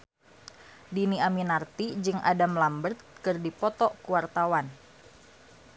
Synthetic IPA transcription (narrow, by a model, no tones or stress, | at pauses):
diniaminart̪id͡ʒɨŋʔa̰damlambərt̪̚kɨrdipɔt̪ɔkuwart̪awan